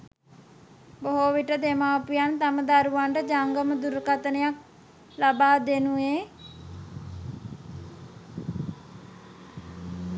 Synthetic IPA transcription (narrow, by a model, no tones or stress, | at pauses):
boɦoʋiʈəd̪emaːpujant̪aməd̪aɾuʋaɳʈəd͡ʒaŋɡəməd̪uɾkat̪ənəjak̚ | labaːd̪enue